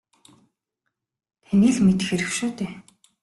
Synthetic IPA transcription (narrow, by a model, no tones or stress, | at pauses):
t̪ʰæniːɮmet̪ɘ̆xeɾɘ̆kʃuːt̪eː